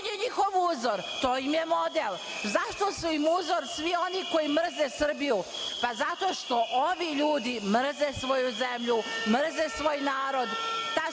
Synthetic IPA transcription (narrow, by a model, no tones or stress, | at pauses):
eɲixo̞ʋuːzoɾt̪oːimje̞mo̞d̪el | zaʃt̪o̞suimuːzoɾsʋio̞niko̞jimr̩zesr̩biju | pazat̪o̞ːʃt̪o̞ʔoʋiʎuːd̪imr̩zesʋo̞juze̞mʎumr̩zesʋoːjnaːɾo̞d̪t̪a